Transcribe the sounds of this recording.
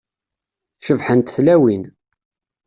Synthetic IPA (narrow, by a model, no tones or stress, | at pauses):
ʃəvħənt̪θlæwin